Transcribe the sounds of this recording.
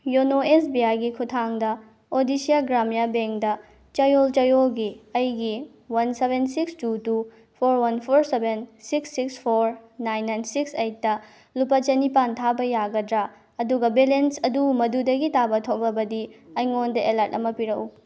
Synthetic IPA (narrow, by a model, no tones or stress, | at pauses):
jonoesbiajɡikʰutʰaŋdɐ | odisijaɡɾamijabeŋkdɐ | t͡ʃɐjolt͡ʃɐjolɡiɐjɡi | wɐnsebensikstutu | pʰoɾwɐnpʰoɾsebʱensiksːikspʰoɾnajnːajnsiksejt̚ːɐ | lupɐt͡ʃɐnipantʰabɐjaɡɐdɾa | ɐduɡɐbelensɐdumɐdudɐɡitabɐtʰok̚lɐbɐdiɐjŋondɐʔelɐɾtɐ̰mɐpiɾɐku